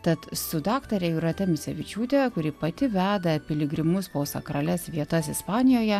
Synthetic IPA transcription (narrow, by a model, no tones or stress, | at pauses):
t̪ɐt̪sʊd̪ɑːkt̪ɐɾʲɛiːɾɐt̪ʲɛmʲɪsʲɛʋʲɪt͡ʃʲuːt̪ʲekʊɾʲɪpɐt̪ʲɪʋʲæːd̪ɐpʲɪlʲɪɡɾʲɪmʊspoːsɐ̰kɾɐlʲɛsʋʲiɛt̪ɐsɪspɑːnʲɪjoːjɛ